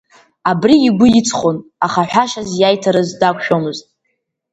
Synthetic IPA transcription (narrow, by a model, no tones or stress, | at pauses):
abriːɡʷʊit͡sʰχʷonaχaħʷᶣaʃazjajtʰaɾɨzdakʷʰʼʃᶣomɨztʼ